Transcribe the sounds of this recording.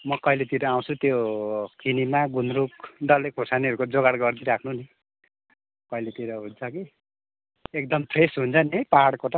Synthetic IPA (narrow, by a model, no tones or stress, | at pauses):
mʌkʌilet̪iɾʌaw̃t͡sʰut̪jokinimaɡunɾukɖʌlek̚osaniʌɾukod͡zoɡaɽɡʌrd̪iɾakʰnuni | kʌilet̪iɾʌɦunt͡sʰʌki | ek̚d̪ʌmp̪ʰresɦunt͡sʰʌniɦʌjpaɦaɽkot̪ʌ